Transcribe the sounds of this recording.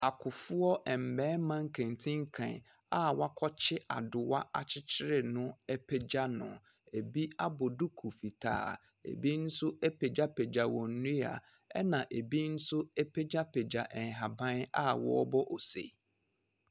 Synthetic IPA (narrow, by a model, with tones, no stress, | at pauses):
a˨kʰʊ˨fʊ˦ɔ˦ʔɛ˨m̩˨bɛ̃ː˦mã˦ŋ̩˦kʰẽ˨n˨tʰɪ̃˦ŋ˦kʰã̰˨n | a˦wa˦kʰɔ˦t͡ɕʰɪ˦ʔa̰˨dʊ˨wa˦a̰˨t͡ɕʰɪ˦t͡ɕʰɪ˦ɾɪ˨nʊ̃˦ɛ˦pʰɛ˦d͡ʑa˦nʊ̰̃˨ | e˨bi˦a˦bɔ˨du˦kʰu˨fi˨tʰa̰ː˦˨ | ḛ˨bi˦n̩˦sʊ˦ɛ˦pʰe˨d͡ʑa˦pʰe˨d͡ʑa˨wɔ̃˨n̩˦nũ˦a̰˨ | ɛ̰˦nã˨ʔe˨bi˦n̩˦sʊ˦ɛ˦pʰe˦d͡ʑa˦pʰe˨d͡ʑa˨ʔɛ˨n˨ɦa˨bã˦na̰˦wɔ̰˦ɔ˦bɔ˦ʔɔ˨sḛ˨